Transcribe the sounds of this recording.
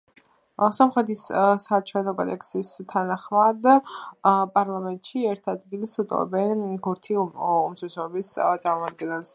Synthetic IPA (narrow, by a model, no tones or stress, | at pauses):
sɔmχɾɛt̪ʰissaːɾt͡ʃʰɛnɔkʼɔd̪ɛksist̪ʰanaχmad̪ | pʼaɾlˠamɛnt̪ʼʃiɛɾt̪ʰad̪ɡilisut̪ʼɔ̰vɛ̰bɛnkʰuɾt̪ʰiumsɛsɔɛbist̪sʼaɾmɔmad̪̚ɡɛnɛlˠs